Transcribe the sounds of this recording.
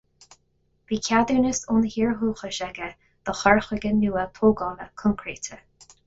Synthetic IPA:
v̥iːkʰad̪əɹnəsunəhiːɹɦuːxəʃɛɡə | d̪̥əxɔɹxwɪɡənuːəpʰoːɡɑːləkʰʊŋkʰɹeːt̪ʰə

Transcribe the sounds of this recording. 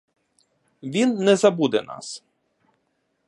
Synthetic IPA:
ʋʲinːɛzɐbud̪ɛ̰na̰s

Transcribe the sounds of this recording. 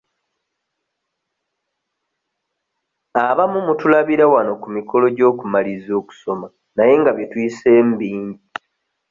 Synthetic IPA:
aβamumutulaβiɾawano̞kumiko̞lo̞ɟo̞ːkumalizo̞ːku̥so̞ma | naje̞ŋɡaβjetwise̞ːmbiːɲɟi

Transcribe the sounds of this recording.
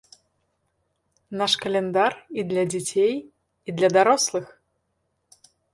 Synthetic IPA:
naʂkɐlʲɛnd̪arid̪lʲɐd͡zʲat͡sʲej | id̪lʲɐd̪aɾɔslˠɨx

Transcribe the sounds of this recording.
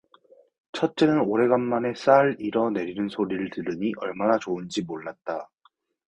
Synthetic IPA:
t͡ɕʰʌt̚t͡ɕ͈e̞nɯnoɾe̞ɡanːane̞s͈aɾiɾʌne̞ɾinɯnsʰoɾiɾɯɭtɯɾɯɲiʔʌɭmanat͡ɕoɯnd͡ʑimoɭːat̚t͈a

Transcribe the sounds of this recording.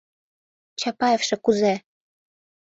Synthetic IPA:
t͡ɕɑpɑjefʃĕkuze

